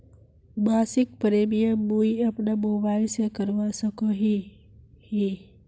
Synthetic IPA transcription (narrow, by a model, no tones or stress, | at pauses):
baːsɪk̚pɾeːmijəmuiɐpnamoːbaːɪlsekəɾʋasəkoɦi | hi